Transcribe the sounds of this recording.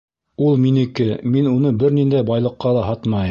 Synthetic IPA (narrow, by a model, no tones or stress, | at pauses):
ulˠminɘ̆kɘminunɤbɘɾnind̪æjbɑjlˠɤ̆qːɑlˠɑɦɑt̪mɑj